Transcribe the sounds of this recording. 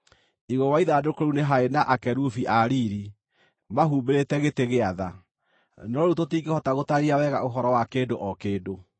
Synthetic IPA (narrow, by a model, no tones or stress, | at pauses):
iɣɔwaiðadokoɾuneɦaenaʔakɛɾufiʔaɾiɾi | maɦuːmbeɾetɛɣeteɣeaða | nɔɾutotiːɡehɔtaɣotaɾiawɛɣaʔoɦɔɾɔwakeːndoʔɔkeːdo